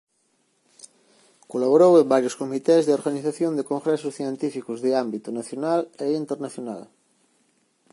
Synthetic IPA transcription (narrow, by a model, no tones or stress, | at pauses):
kolaβ̞oɾowẽmbaɾjʊskomit̪ɛzðeoɾɣaniθaθjõnd̪ekõŋɡɾɛsʊsθient̪ifikʊzðeambit̪ʊnaθjonaleint̪eɾnaθjona̰l